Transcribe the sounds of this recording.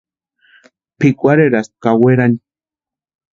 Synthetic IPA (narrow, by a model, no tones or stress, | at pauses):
pikʷaɾeɾast̪̚kaweɾani